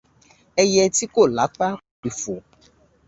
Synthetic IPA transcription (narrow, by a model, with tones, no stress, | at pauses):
ɛ˦jɛ˦t̪i˦ko˦˨la˨˦k͡pa˦˨k͡pi˨fo˨